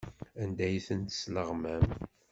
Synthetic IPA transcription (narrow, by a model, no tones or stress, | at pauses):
ænd̪æjθənt̪ə̥sləʁmæm